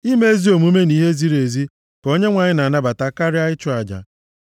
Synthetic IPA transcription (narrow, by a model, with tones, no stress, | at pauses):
i˦me˦e˦zi˦o˨mu˦me˦ni˦ɦe˦zi˦ɾe˨zi˦ | ko˦ɲe˦ŋʷa˨ɲɪ˦na˨na˦ba˨ta˦ka˦ɾɪ˦a˦ɪ˦t͡ʃʊ˦a˨d͡ʒa̰˨